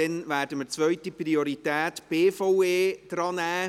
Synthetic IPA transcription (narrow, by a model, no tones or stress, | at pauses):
ɛnvæːɾdəmət͡sʋœʏtiprioɾitɛːtb̥eːfɔʊeːd̥ɾɑːnɛː